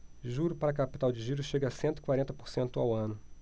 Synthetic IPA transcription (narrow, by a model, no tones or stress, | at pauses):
ʒuɾʊpaɾɐkapi̥t̪awd͡ʒɪʒiɾʊʃeɡɐasẽnt̪ʊi̥kwaɾẽnt̪ɐpoɾsẽnt̪ʊawɐ̃nʊ